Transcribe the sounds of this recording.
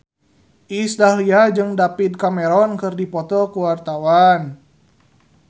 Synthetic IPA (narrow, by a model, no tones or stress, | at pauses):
ʔisdahliad͡ʒɨŋdapit̪̚kamɛɾɔnkɨrdipɔt̪ɔkuwart̪awan